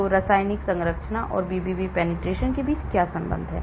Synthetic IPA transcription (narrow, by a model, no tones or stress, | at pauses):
oɾɐsaːjnɪksɐ̃ŋɾəkʃnaʔɔ̰ːɾbiːbibipɛːnɪʈɾeːʃənkebiːt͡ʃkjaːsɐ̃mbə̰̃nd̪ʱɦɛ̰̃ː